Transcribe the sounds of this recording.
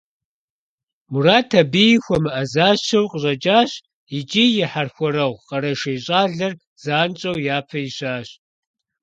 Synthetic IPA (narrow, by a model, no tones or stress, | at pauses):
muraːtʰɐbijxʷɔmɨʔɐzaːʃɐwqʼəɕʼɐd͡ʒʼaːɕ | id͡ʒʼiːjɪħarxʷɔɾɐʁʷqɐɾɐʃeːjɕʼaːɮɐr | z̥aːnt͡ʃʼɐwjaːpʰɐjɪɕaːɕ